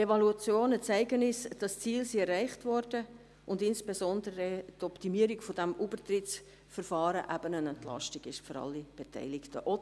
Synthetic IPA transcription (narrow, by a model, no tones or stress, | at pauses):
evɑluɑt͡sjoːnət͡sæɪɡənɪsd̥ɑst͡siːlsiɛrːæɪχtvɔrd̥ə | ʔʊndɪnsb̥ezɔndəɾətɔptimiəɾiɡfɔdæmʔubərtrɪt͡s | fəɾfɑːɾəʔæbənənɛntlɑ̰ʃtiɡɪʃføɾɑ̰lːib̥etʰɛ̰ɪlɪktʰəʔɔ